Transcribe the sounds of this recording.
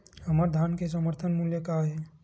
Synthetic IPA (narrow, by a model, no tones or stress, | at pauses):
həməɾd̪ʱankesəməɾt̪ʰənmuljəkaɦɛ